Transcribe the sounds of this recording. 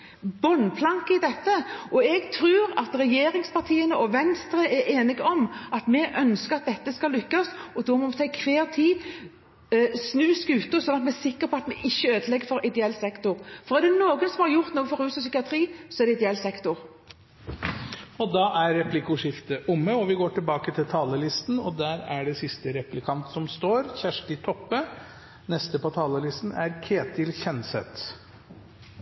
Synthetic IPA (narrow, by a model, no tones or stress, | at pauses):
bɔnpʰlɑŋkəɪd̪ɛt̪ːəɔɛɡt̪ʰɾʉːɾɑ̰t̪ɾɛjeːɾɪŋspʰɑʁt̪ʰiːənəʔɔʋɛnst̪ɾəʔɛeːnɪɡɔmʔɑt̪mɛʔœnskəʁɑt̪̚d̪ɛt̪ːəskɑlːʏkːɑsɔd̪ɔmɔmt̪ʰɑkʰʋeːʁt̪ʰiː | snʉːskʉːt̪əsɔnːɑt̪mɛæsɪkːəɾpʰɔɑt̪mɛʔɪçːəøːd̪əlɛɡːəfɔɾɪd̪ɛɛlːsɛkt̪ʊʁfɔʁɛd̪ɛnoːɡənsɔmhɑʁjʊʁt̪noːɡəfɔʁʉːsɔsʏkɪɑt̪ʰʁiːsɔɛɖ̪ɛɪd̪ɛɛlːsɛkt̪ʊʁ | ɔd̪ɑːʔæɾːɛpʰlɪkʊʂɪft̪əʔʊmːəɔʋɪɡoːʈɪlbɑːkət̪ʰɪlt̪ʰɑːləlɪst̪n̩ɔd̪æːɾæɖɛsɪst̪əɾɛplɪkʰɑnt̪sɔmst̪oːɾçæʂʈɪt̪ʰɔpːə | nɛst̪əpʰɔt̪ʰɑːləlɪst̪n̩æɾkʰeːt̪ʰɪlçɛnsɛt̪